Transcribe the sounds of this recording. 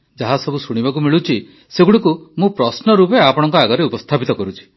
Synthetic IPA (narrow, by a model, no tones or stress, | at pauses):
d͡ʒaɦasɔbusuɽ̃ibak̬umiɭut͡ʃʰi | seɡuɽikumũpɾɔsnɔɾupeapɔɽ̃ɔŋkɔaɡɔɾeupɔst̪ʰapit̪ɔkɔɾut͡ʃʰi̥